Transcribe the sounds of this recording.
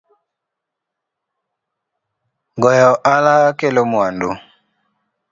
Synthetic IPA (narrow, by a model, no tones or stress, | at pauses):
ɡɔjɔʔalakelomwando